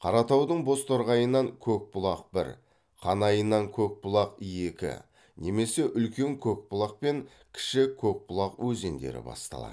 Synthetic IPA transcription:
qʰɑɾɑt̪ɑwd̪əɴbo̞st̪ʰoɾʁɑjənːɑŋkʲʰɵk̚bʊlˠɑq̚bɪ̰ɾ | qʰɑnɑjənːɑŋkʲʰɵk̚bʊlˠɑqijekʲɪ̰ | ne̞me̞se̞ʔʏlkʲe̞ŋkʲʰɵk̚bʊlˠɑq̚pe̞ŋ | kʲʰɪ̥ʃɪkʲʰɵk̚bʊlˠɑqwʔɵze̞nd̪ḛɾɪ̰bɑ̰st̪ɑ̰lˠɑ̰

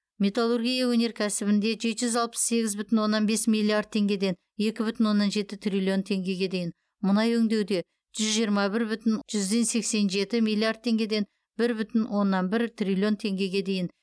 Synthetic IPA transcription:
mʲe̞t̪alˠurɡʲijawɵne̞ɾkʲʰæsɪbɪnd̪e̞ʒe̞t̪ʒʏzɑlˠpə̥sse̞ɡʲɪzbʏt̪ɪnwo̞nːɑnbe̞smilʲˠːiard̪̚t̪ʰe̞ŋɡʲe̞d̪e̞n | e̞kʲɪbʏt̪ɪnwo̞nːɑnʒe̞t̪ɪt̪ʰrʲilʲio̞nt̪ʰe̞ŋɡʲe̞ɡʲe̞d̪e̞jɪn | mʊnɑjɵŋd̪e̞wd̪e̞ | ʒ̥ʏzʒijəɾmɑbɪɾbʏt̪ɪnʒ̥ʏzd̪e̞nse̞kse̞nʒe̞t̪ɪmilʲˠiard̪̚t̪ʰːe̞ŋɡʲe̞d̪e̞n | bɪɾbʏt̪ɪnwo̞nːɑnbɪɾt̪rʲilʲio̞nt̪ʰe̞ŋɡʲe̞ɡʲe̞d̪e̞jɪn

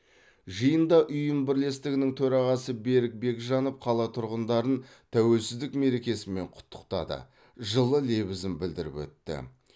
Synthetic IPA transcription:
ʒəjənd̪ɑʔʊjəmbɪɾle̞st̪ɪɡʲɪnɪŋt̪ʰɵɾɑʁɑsəbe̞ɾɪk̚be̞kʒɑnop̚qʰɑlˠɑt̪ʰʊɾʁənd̪ɑɾən | t̪ʰæwe̞lsɪzd̪ɪkme̞ɾe̞kʲe̞sɪme̞ɴqʰʊ̥t̪ʰːə̥qt̪ɑ̰d̪ə̰ | ʒəlˠəle̞bɪzɪmbɪld̪ɪɾɪ̰pwɵ̰t̪ːɪ̰

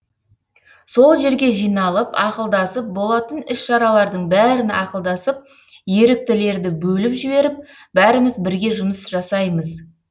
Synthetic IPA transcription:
so̞lˠʒe̞ɾɡʲe̞ʒijnɑlˠəpɑqəlˠd̪ɑsəp̚bo̞lˠɑt̪ənɪsʃɑɾɑlˠɑɾd̪əɴbæɾɪnɑqəlˠd̪ɑsəp̚ | je̞ɾɪk̚t̪ɪle̞ɾd̪ɪbɵlɪpʒɪbe̞ɾɪp̚ | bæɾɪmɪzbɪɾɡʲe̞ʒʊməsʒ̥ɑsɑjməz

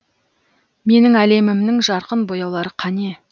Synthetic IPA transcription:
me̞nɪŋæle̞mɪmnɪŋʒɑɾqənbo̞jɑwlˠɑɾəqʰɑne̞

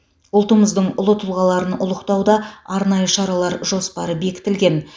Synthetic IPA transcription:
ʊlˠt̪əməzd̪əɴʊlˠət̪ʰʊlˠʁɑlˠɑɾənʊ̰lˠəqt̪ɑwd̪ɑɑɾnɑjəʃɑɾɑlˠɑɾʒo̞spɑɾəbe̞kʲɪ̥t̪ɪlɡʲe̞n

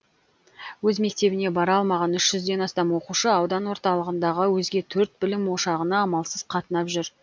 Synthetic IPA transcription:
wɵzme̞k̚t̪e̞bɪne̞bɑɾɑɑlˠmɑʁɑnʏʃʒ̥ʏzd̪e̞nɑst̪ɑmwo̞quʃəɑwd̪ɑnwo̞ɾt̪ɑlˠəʁənd̪ɑʁəwɵzɡʲe̞t̪ʰɵɾt̪̚bɪlɪmwo̞ʃɑʁənɑɑmɑlˠsəz̥qʰɑt̪ənɑpʒʏɾ

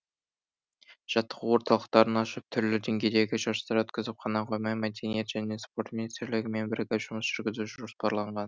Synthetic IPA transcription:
ʒ̥ɑt̪ːə̥ʁəwo̞ɾt̪ɑlˠəqt̪ɑɾənɑʃəp̚t̪ʰʏɾlɪd̪e̞ŋɡʲe̞jd̪e̞ɡʲɪʒɑɾst̪ɑɾwɵt̪kʲɪzɪp̚χɑnɑqʰojmɑjmæd̪e̞nijet̪ʒ̥æne̞spo̞ɾt̪mʲinijst̪ɾlɪɡʲɪme̞nbɪɾɡʲeʒ̥ʊməsʒ̥ʏɾɡʲɪzuʒʒʒospɑɾlˠɑɴʁɑn

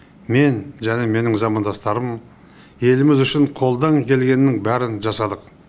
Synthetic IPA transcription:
me̞nʒæne̞me̞nɪŋzɑmɑnd̪ɑst̪ɑɾəm | je̞lɪmɪzʏʃɪɴqʰo̞lˠd̪ɑŋkʲʰe̞lɡʲe̞nɪːɪŋbæɾɪnʒɑsɑd̪əq

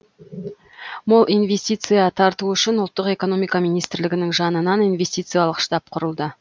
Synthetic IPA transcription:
molˠijnve̞sʲt̪ijt̪sɨjɑt̪ʰɑɾt̪uʏʃɪnʊlˠt̪ːəqe̞ko̞no̞mijkɑmijnijst̪ɪɾlɪɡʲɪnɪŋʒɑnənɑninve̞st̪ijt̪sɨjɑlˠəqʃt̪ɑp̚qʰʊɾəlˠd̪ə

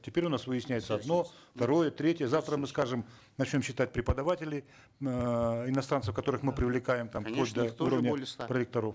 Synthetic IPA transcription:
tʲɪpʲeɾʲʊnasvɨjɪsʲnʲæjɪt̪səɐd̪no̞ft̪ɐɾo̞jət̪ɾʲetʲjəzaft̪ɾəmɨskaʐɨm | nɐt͡ɕnʲo̞mɕːɪt̪at̚ʲpɾʲɪpəd̪ɐvatʲɪlʲɪ | ɪnɐst̪ɾant̪sə̥fkɐt̪o̞ɾɨxmɨpɾʲɪvlʲɪkajɪmt̪ampod̪uɾəvnʲəpɾəlʲɪk̚t̪ɐɾof

